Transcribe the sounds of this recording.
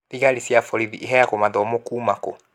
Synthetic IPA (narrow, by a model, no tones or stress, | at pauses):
ðiɣalisjafɔliðiʔiɦɛjakomadɔmokuːmako